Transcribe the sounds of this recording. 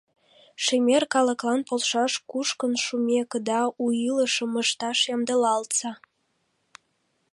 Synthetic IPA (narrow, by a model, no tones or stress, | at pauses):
ʃemʲerkɑlə̆klɑnpolʃɑʃkuʃkənʃumʲekəd̪ɑujiləʃə̆məʃt̪ɑʃjɑmd̪əlɑlt̪t͡sɑ